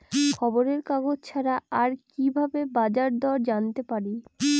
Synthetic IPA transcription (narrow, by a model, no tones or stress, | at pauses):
kʰɔboɾeɾkaɡod͡ʑt͡ɕʰaɾaaɾkibʱabebad͡ʑaɾd̪ɔɾd͡ʑant̪epaɾi